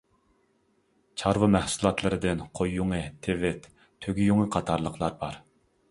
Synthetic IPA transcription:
t͡ʃʰɑɾvɨmæhsulˠɑt̪lˠɨɾɨd̪ɪnqʰojuŋɨt̪ʰevɪt̪ | t̪ʰːøɡʲijuŋəqʰɑt̪ʰɑɾlˠəqʰlˠɑɾbɑɾ

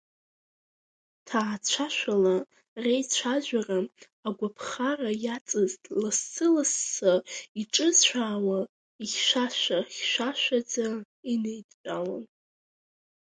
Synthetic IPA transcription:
tʰaːt͡ɕʷʰaʃʷᶣala | rejt͡ɕʷʰaʒʷᶣaraː | ɡʷapʰχarajat͡sʼɨztʼlasːʰɨlasːaiʈ͡ʂʼɨzt͡ʃʷʰaːwa | iχʲʃʷaʃʷaχʲʃʷaʃʷᶣad͡za | inejtʼt͡pʼawan

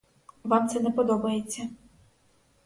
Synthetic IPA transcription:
ʋamt̪sɛnɛpɔd̪ɔbɐjet͡sʲːɐ

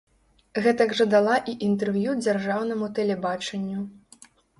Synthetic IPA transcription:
ɣɛt̪ɐɡʐɐd̪alˠaʔiʔint̪ɛrvjud͡zʲarʐawnɐmut̪ɛlʲɛbat͡ʂɐnʲːu

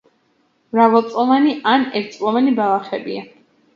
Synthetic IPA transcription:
mɾavalˠt̪sʼɔlˠaniʔanɛɾt̪sʼlˠɔvanibalˠaχɛbia

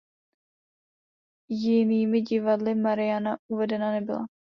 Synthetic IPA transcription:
jiniːmɪd͡ʒivad̪lɪmaɾɪjanauvɛd̪ɛnanɛbɪlˠa̰

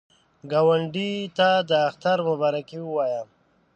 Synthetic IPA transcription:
ɡawaɳɖit̪ad̪əːxt̪aɾmʊbaɾakiwəwajam

